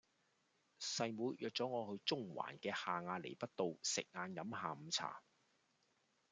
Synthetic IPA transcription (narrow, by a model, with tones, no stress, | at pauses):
sɐ˨˧jmuː˨˥jjœː˨k̚t͡sɔː˨˥ŋɔː˨˧hɵ˧ɥt͡sʊ˥ŋwa̰ː˨˩nkɛː˧haː˨ŋaː˧lḛ˨˩jpɐ˥t̚t̪o˨wsɪ˨k̚ŋaː˧njɐ˨˥mhaː˨m̩˨˧t͡sʰa̰ː˨˩